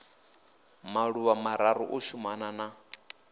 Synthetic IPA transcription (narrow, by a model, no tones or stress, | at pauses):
maɺuβamaɾaɾṵʔuʃumanana